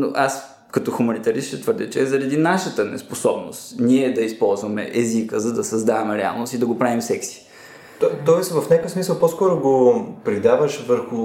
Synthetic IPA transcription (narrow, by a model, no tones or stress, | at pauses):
no̰ʔas | kɐt̪ɔxʊmɐnit̪ɐɾist̪ɛt̪vəɾd̪ɛt͡ʃɛɛzɐɾɐd̪inaʃət̪ənɛ̰sposɔbnost̪niɛd̪ɐispɔlˠzvɐmɛ̰ʔɛzikəzɐd̪ɐsɐzd̪avɐmɛɾɛa̰lˠnost̪id̪ɐɡopɾavimsɛksi̥ | t̪ɔt̪ɔjsvɐfnʲakəfsmisəlˠposkɔɾʊɡopɾid̪avəʃvəɾxʊ